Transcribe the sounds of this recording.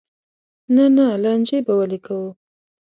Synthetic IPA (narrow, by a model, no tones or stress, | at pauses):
nanalanʲd͡ʒebawalekʰawu